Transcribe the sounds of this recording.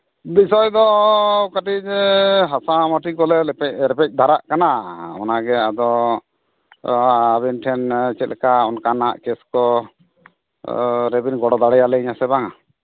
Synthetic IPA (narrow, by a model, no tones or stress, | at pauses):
b̪isɔjd̪ɔkaʈiɛɦasamaʈikɔlɛpɛɾɛpɛc̚ˀd̪ʱaɾaʔkanaɔ̰naɡɛad̪ɔ | abɛnʈʰɛnt͡ʃɛt̪̚lɛkaɔnkanaʔkɛskɔ | ɾɛbinɡɔɽɔd̪aɽɛjalɛiɲasɛbaŋa